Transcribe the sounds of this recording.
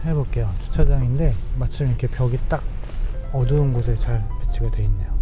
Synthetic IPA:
hebok̚k͈e̞jot͡ɕu̥t͡ɕʰad͡ʑaŋinde̞mat͡ɕʰimiɾkʰe̞pʰjʌɡit͈aɡ̚ʌdɯɯnɡosʰet͡ɕaɭpet͡ɕʰiɡadwe̞inːe̞jo

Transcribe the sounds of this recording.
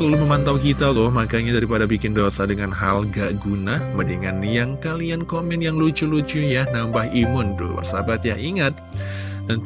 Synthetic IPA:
əlaluməmant̪awkit̪at̪ʊhmakaɲadaɾipadabikɪndosadəŋanɦa̰lɡaʔɡunaməniŋanjaŋkaliankomɛnjaŋlut͡ʃulut͡ʃujanambahimʊnt̪ʊ̰hbə̰rsabat̪̚jaʔiŋat̪̚ | dan

